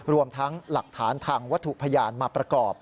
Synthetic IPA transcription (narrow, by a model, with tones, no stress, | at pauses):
ɾu˧əmt̪ʰa˦˥ŋla˨˩k̚t̪ʰaː˩˦nt̪ʰaː˧ŋwa˦˥t̪ʰːu˨˩pʰa˧jaː˧nmaː˧pɾa˧kɔː˨˩p̚